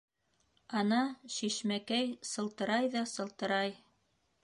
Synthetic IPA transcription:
ɑnɑʃiʃmækæjsɤ̆lˠt̪ɤ̆ɾɑjðɑsɤ̆lˠt̪ɤ̆ɾɑj

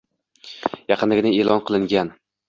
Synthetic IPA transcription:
jɑqʰɨnlɪɡʲɪnɪelˠʔɒnqʰɨlˠɪŋɡʲan

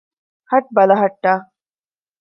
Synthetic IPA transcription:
hɐʈ̚bɐlɐɦɐʈːaː

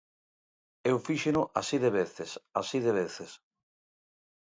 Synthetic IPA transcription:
ewfiʃenʊʔasiðeβeθesasiðeβeθes

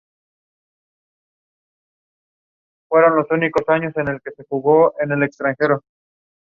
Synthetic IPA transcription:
fwe̞ɾo̞nlo̞suniko̞saɲo̞se̞ne̞lke̞se̞xuɣo̞ʔene̞le̞kst̪ɾaŋxe̞ɾo

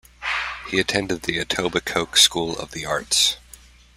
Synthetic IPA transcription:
hiɨtʰɛ̃ndɨd̪̚ðiɨtʰoʊbɨkʰoʊkskulˠʌ̰vðiɑɹts

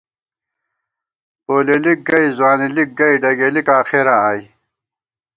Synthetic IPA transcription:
oːlelik̚ɡɐizwaːnilik̚ɡɐjɖɐɡelikaːxeɾãaːj

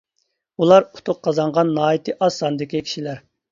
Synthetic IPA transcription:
ulˠɑɾu̥t̪ʰʊq̚qʰːɑzɑɴʁɑnːɑːit̪ʰɨʔɑsɑnɨd̪ɪkʲikʲʰi̥ʃilæɾ

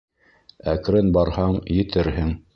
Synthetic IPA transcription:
ækɾɘnbɑɾhɑɴjɘ̆t̪ɘɾhɘŋ

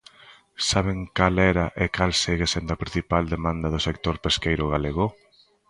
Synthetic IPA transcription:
saβ̞eŋkalɛɾɐʔekalseɣesend̪ɐpɾinθipald̪emãnd̪ɐðʊsek̚t̪oɾpeskejɾʊɣ̞aleɣo

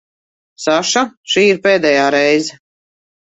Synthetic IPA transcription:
saʃaʃiːiɾpeːd̪ɛjaːɾɛjzɛ

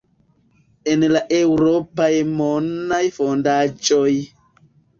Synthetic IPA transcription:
enlaʔewɾopajmonːajfondad͡ʒoj

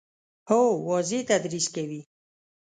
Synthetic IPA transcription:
howɔzit̪ad̪ɾiskewi

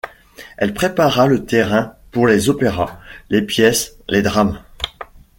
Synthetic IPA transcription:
ɛlpχepaʁalət̪eʁɛ̃puʁlezopeʁalepjɛsled̪ʁam

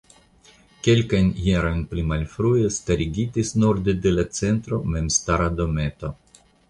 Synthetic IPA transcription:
ke̞lkajnjeɾo̞jnplimalfɾujestaɾiɡitisnuɾd̪edelat͡se̞nt̪ɾo̞me̞mst̪aɾad̪o̞me̞t̪o̞

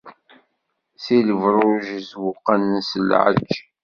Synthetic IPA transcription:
θiləvɾˤʊʒəzwʊqːannsəlʕə̰t͡ʃː

